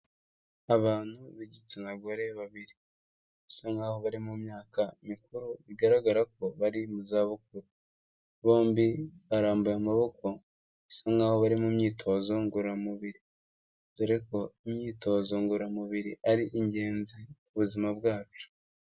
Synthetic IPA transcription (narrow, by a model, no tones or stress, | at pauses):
aβaːn̥huβiɟit͡senaɡoɾe̞βaβiɾi | βusaŋɡaːho̞βaɾimumɲaːkaimikuɾuβiɡaɾaɡaɾak̚o̞βaɾimuzaːβuk̚uɾu | βo̞ːmbiβaɾaːmbujamaβo̞ko̞ | βusaŋɡaːho̞βaɾimumɲiːtʰo̞zo̞ŋɡuɾamuβiɾi | ɡuɾeko̞imɲiːto̞zo̞ŋɡuɾamuβiɾiʔaɾiʔiɲɟe̞ːnzikuβuzimabɡaːt͡ʃu̥